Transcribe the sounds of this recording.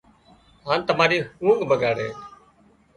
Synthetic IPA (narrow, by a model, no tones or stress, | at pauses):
ɦaːnt̪əmaːɾiːhũːŋɡbəɡaːɽḛː